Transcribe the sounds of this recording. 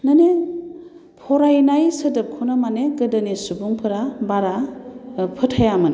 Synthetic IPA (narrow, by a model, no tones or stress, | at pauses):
nane | pʰɔɾajnajsɐdɯp̚kʰunamaneɡɯdɐnisubuŋpʰɯɾabaɾa | pʰɯtʰhajamɯn